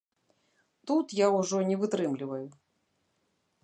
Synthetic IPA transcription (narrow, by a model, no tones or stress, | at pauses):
t̪ut̪jauʐɔnʲɛvɨt̪ɾɨmlʲivɐju